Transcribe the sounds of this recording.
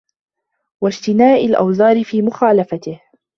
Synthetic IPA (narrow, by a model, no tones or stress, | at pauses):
wad͡ʒt̪ɪnaːʔɪlʔa̰wzɑːɾɪfiːmʊxaːlafat̪ɪh